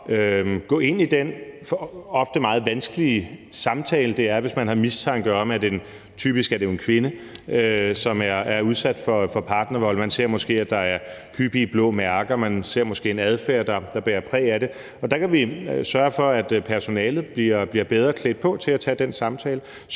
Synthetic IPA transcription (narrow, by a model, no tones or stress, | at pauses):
øɡ̥ɔ̰ːe̝n̰id̥enfɒɒ̽fd̥əmɑ̈ːð̩ˠʋænsɡ̥əlisɑ̈mt͡sʰɛ̰ːləd̥e̝æɐʋe̝smænhɑ̈mist͡sʰɑ̈ŋɡ̥ɶɐɒmæd̥en | t͡sʰy̰ːb̥isɡ̥æd̥e̝e̝nkʰʋe̝nəøsɒ̽mæɐæɐuð̞ˠsæd̥fɒ̽fɒ̽pʰɑ̈ːd̥nɐʋɒ̽l̰mænse̝ɐ̰mɔ̽sɡ̥e̝̰ːæd̥ɑ̈æɐhʰyb̥ib̥lɔ̰ːmæɐɡ̥ɐmænse̝ɐ̰mɔ̽sɡ̥e̝̰ːe̝næð̞ˠfæɐd̥ɑ̈d̥ɑ̈b̥eːɐpʰʁɛ̰ːæɾ̥e̝ | ɒ̽d̥ɑ̈kʰæʋisɶɐfɒ̽æd̥pʰæɐso̝nɛːlð̩ˠb̥liɐb̥liːɐb̥eðˠʁɐkʰled̥̚pʰɒ̽t͡sʰe̝læt͡sʰɛd̥ensɑ̈mt͡sʰɛ̰ːlə